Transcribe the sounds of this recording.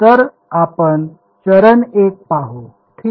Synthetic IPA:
t̪əɾ | apən | t͡ɕəɾənek̚paɦo | t̪ʰi

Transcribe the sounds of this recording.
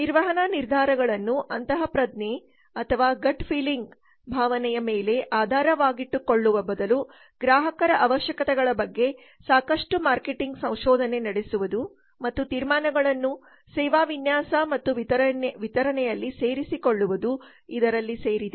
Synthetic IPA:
niɾʋɐɦɐnaniɾd̪ʱaːɾɐɡɐɭɐnːuʔɐnt̪ɐɦɐpɾɐd̪ne | ɐt̪ʰɐʋaːɡɐɖpʰiːliŋɡ | bʱaːʋɐnɛjɐmeːle̞ʔaːd̪ʱaːɾɐʋaːɡiʈːuko̞ɭːuʋɐbɐd̪ɐlu | ɡɾaːɦɐkɐɾɐʔɐʋɐʃjɐkɐt̪ɛɡɐɭɐbɐɡːe̞ | saːkɐʂʈumaːɾkeʈiŋɡsɐ̃w̃ʃɔːd̪ʱɐne̞nɐɽesuʋud̪u | mɐt̪ːut̪iːɾmaːnɐɡɐɭɐnːu | sɛːʋaːʋinjaːsɐmɐt̪ːuʋit̪ɐɾɐnʋit̪ɐɾɐnɛjɐlːise̞ːɾisiko̞ɭːuʋud̪u | id̪ɐɾɐlːiseːɾid̪e

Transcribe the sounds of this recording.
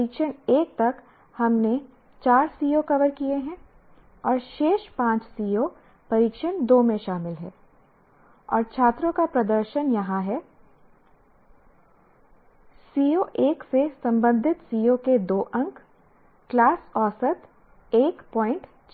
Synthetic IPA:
iːkʃəneːk̚t̪ɐk | hɐmne | t͡ʃaːɾsiːokɐʋəɾkieɦɛ̃ | ɔːɾʃeːʃpãːt͡ʃsiːjo | pɐɾiːkʃənd̪oːmẽʃaːmɪlɦɛː | ɔːɾt͡ʃʰaːt̪ɾõkapɾɐd̪əɾʃənjɐɦãɦɛ | siːoʔeːksesɐ̃mbə̃nd̪ʱɪt̪siːoked̪oːʔɐ̃ŋkː | laːsɔːsət̪ | eːkpɔːɪ̃ɳʈ | t͡ʃ

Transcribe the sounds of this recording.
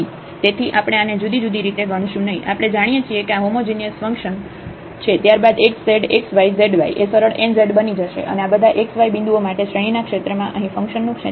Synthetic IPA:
i | t̪et̪ʰiʔapəɽ̃eaned͡ʒud̪id͡ʒud̪ʱiɾit̪eɡəɽ̃iʃũnəɦĩʔapəɽ̃ed͡ʒaɽ̃ijet͡ʃʰiekeaɦomod͡ʒinijəsfə̃ŋkʃən | t͡ʃʰet̪jaɾbad̪ekseɖeksʋaizeɖʋaiʔesəɾəɭenzeɖbənid͡ʒəʃḛʔə̰neabəd̪ʱaʔeksʋajbĩnd̪uomaʈeʃɾeɽ̃inakʃet̪ɾəmãʔəɦĩfə̃ŋkʃənːũkʃe

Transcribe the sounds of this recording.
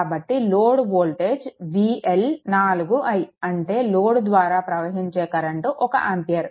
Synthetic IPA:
bɐʈːiloːɽʋoːlʈeːd͡ʒʋiːelnaːluɡuʔɐjiɐɳʈe̞ːloːɽd̪ʋaːɾaːpɾɐʋɐɦiɲt͡ʃɛːkɐɾɐɳʈuːʔɔkɐʔaːmpijɐɾ

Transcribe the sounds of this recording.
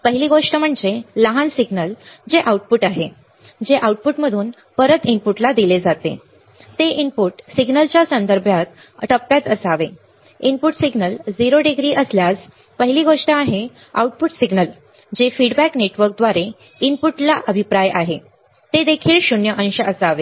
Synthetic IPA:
pəɦiliɡoʂʈəm̤əɳd͡zeləɦansiɡnəld͡ʑeʔauʈ̚puʈaɦe | d͡ʑeʔauʈ̚puʈməd̪ʱuːn | pəɾət̪impuʈlad̪iled͡zat̪ḛ | t̪eʔimpuʈsiɡnəlt͡ɕjasənd̪əɾbʱjat̪̚ | ʈəpːjat̪əsaʋe | inpuʈsiɡnəld͡ziɾoɖiɡɾiːʔəsljas | pəɦiliːɡoʂʈəaɦe | a̰uʈ̚puʈsiɡnəl | d͡ʑefiɽbækneʈʋəɾk̚d̪ʋaɾe | inpuʈlaʔəbʱipɾajʔaɦe | t̪ed̪ekʰiːlɕuɳjəʔə̃ñɕəʔəsaʋe

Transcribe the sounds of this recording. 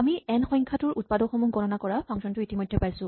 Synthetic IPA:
amiɛnxɔ̃jŋkʰatuɹʔut̚padɔxɔmuɡʱɔɹɔnakɔɹapʰɔŋsɔntʊitimojdʱːɛpajsʊ̃

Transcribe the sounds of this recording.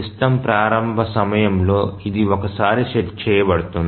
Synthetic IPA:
isʈɐmpɾaːɾɐmbʱɐsɐmɐjɐmlo̞ːid̪iɔkɐsaːɾiʃett͡ʃɛːjɐbɐɽut̪und̪i

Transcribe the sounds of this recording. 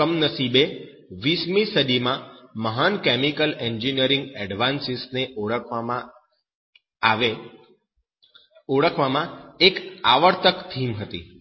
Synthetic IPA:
əmnəsibe | ʋismisəd̪imãməɦankɛmikəlɛɲd͡ʒinijəɾĩŋɡɛɖʋansisneʔõ | ʋe | oɽəkʰʋamãekaʋəɾt̪əkt̪ʰimɦət̪ḭ

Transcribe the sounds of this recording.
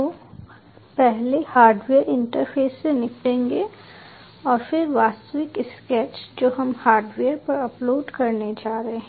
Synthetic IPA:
o | pɛɦlehaːɾɖʋeːəɾɪ̃ɳʈəɾpʰeːsːenɪklẽːŋɡe | ɔːɾfɪɾʋaːst̪əʋɪkɪskɛːt͡ʃd͡ʒoːɦɐmhaːɾɖʋeːəɾpɐɾɐploːɖkɐɾned͡ʒaːɾəɦeɦɛ̃ː

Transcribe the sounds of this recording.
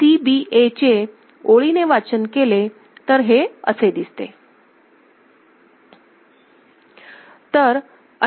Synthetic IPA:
ibiʔet͡ɕe | oɭineʋat͡ɕənkele | t̪əɾɦeə̰sed̪ist̪ḛ | t̪əɾ | ə

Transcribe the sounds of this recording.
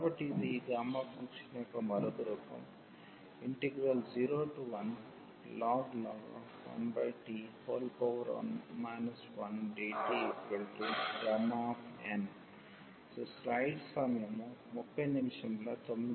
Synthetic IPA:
kabɐʈːiːd̪iɡ̪ɾaːmːafʰɐŋkʂɐnekɐmɐɾɐd̪ɐɾuːkɐ̰m | iɳʈeɡɾɐld͡ʒiːɾoːʈuʋɐn | laːɡlaːɡ̰ | ʋɐ̰nbɐjʈihoːlpoʋɐɾa̰ːnmajnɐsʋɐnɖeːʈiepelʈuɡɾaːmapʰen | soslɐjɖsɐmjɐmumupːɐjnimʂɐmlɐt̪omːi

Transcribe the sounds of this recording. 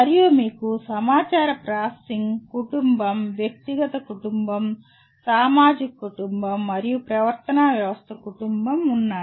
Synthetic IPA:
ɐɾijumiːkusɐmaːt͡ʃaːɾɐpɾaːsiŋɡkuʈumbɐmʋjɐk̚t̪iɡɐt̪ɐkuʈumbɐm | saːmaːd͡ʒikɐkuʈumbɐmːɐɾijupɾɐʋɐɾt̪ɐnaːʋjɐʋɐst̪ʰɐkuʈumbɐmunːaːu

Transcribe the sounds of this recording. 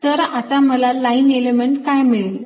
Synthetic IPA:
t̪əɾat̪aməlalainelemeɳʈkajmeɭel

